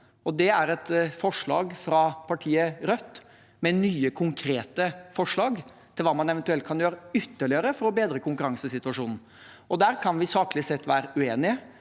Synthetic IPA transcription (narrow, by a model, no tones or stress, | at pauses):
ɔd̪ɛæɾɛt̪fɔʂɭɑ̰ːɡfɾɑpʰɑʈʰiːəɾœt̪ː | mɛnyːəkʰʊŋkʰɾeːt̪əfɔʂɭɑːɡ | t̪ʰɪlʋɑːmɑnɛʋɛnt̪ʉɛlt̪̚kʰɑnjøːɾəʏt̪ːəɭɪəɾəfɔɾɔbeːd̪ɾəkʰʊŋkʉɾɑŋsəsɪt̪ʉʋɑʂuːnn̩ | ʔɔd̪æːɾkʰɑnʋɪsɑːklɪsɛt̪ːʋæːɾəʉeːnɪə